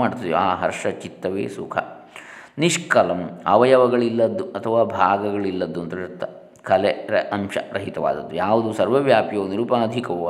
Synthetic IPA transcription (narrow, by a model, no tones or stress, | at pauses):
aːɽt̪ːiiaːɦɐ̰ɾʂɐt͡ʃit̪ːɐʋḛːsukʰɐ̰ | niʂkɐlɐmɐʋɐjɐʋɐɡɐɭilːɐd̪ːuɐt̪ʰɐʋaːbʱaːɡɐɡɐɭilːɐd̪ːuɐnt̪ɐut̪ːɐ | kʰɐleɾɐʔɐmʃɐ̰ɾɐɦit̪ɐʋa̰ːd̪ɐd̪ːujaːʋud̪usɐɾʋɐʋjaːpjoːniɾupaɐd̪ʱikɐʋoː